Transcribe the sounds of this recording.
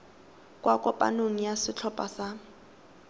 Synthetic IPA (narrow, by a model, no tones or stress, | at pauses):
kʼwakʼɔpʼa̰noŋ̩jasɪt͡ɬʰɔpʼasa